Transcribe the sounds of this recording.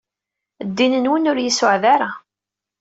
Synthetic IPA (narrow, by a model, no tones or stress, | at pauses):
d̪ːinənwənʊɾjisʊʕðaɾa